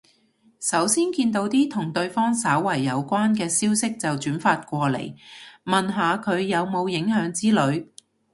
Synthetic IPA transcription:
sɐ˨˥wsiː˥nkiː˧nt̪o˨˧wt̪iː˥t̪ʰʊ˨˩ŋt̪ɵ˧ɥfɔː˥ŋsɐː˨˥wːɐ˨˩jːɐ˨˧wkʷaː˥nkɛː˧siː˥wsɪ˥k̚t͡sɐ˨wt͡ʃyː˨˥nfaː˧t̚kʷɔː˧lḛ˨˩jmɐ˨nɦaː˨˧kʰɵ˨˧ɥjɐ˨˧wmo˨˧wjɪ˨˥ŋhœː˨˥ŋt͡siː˥lɵ˨˧ɥ

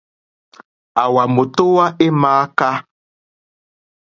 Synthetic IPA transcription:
a˨wa˨mo˨to˦wa˦e˦maː˨˦ka˦

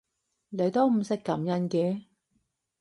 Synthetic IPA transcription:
le˨˧jt̪o˥wm̩˨˧sɪ˥kːɐ˨˥mjɐ˥nkɛː˧

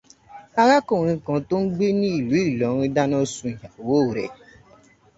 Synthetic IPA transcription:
a˦ɣa˦ko˨ŋi˦kɔ̃˨to˦ŋ͡m̩˦ɡ͡be˦ni˦˨lu˨˦i˦˨lɔ˨˦ɾi˦da˦no˦su˨˦˨ɦa˨wo˦˨ɾḛ˨

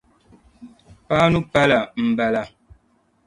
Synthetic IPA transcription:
pa˦nu˦pa˦la˨m̩˨bɛ˦la˨

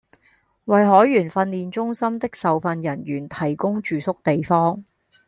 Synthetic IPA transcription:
wɐ˨jɦɔː˨˥jɥyː˨˩nfɐ˧nliː˨nt͡ʃʊ˥ŋsɐ˥mt̪ɪ˥k̚sɐ˨wfɐ˧njɐ˨˩nɥyː˨˩nt̪ʰɐ˨˩jkʊ˥ŋt͡ʃyː˨sʊ˥k̚t̪e˨jfɔː˥ŋ

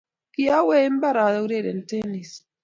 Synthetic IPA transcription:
kia˦wɛ˦mba˦ɾa˨ðau˦ɾeɾɛ˨ntɛnis

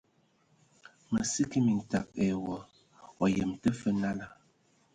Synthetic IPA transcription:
mə˨si˦ki˦mi˨n̩˨ta˨k̚ɛ˨wɔ˨ | ɔ˨jə˨mtə˦fə˦na˦la˦

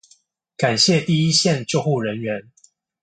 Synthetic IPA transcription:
ka˨˩nɕjɛ˥˨t̪i˥˨i˦ɕjɛ˥˨nt͡ɕjo˥˧ʊxu˥˩ɻə˨˦nɥɛ˨˦n

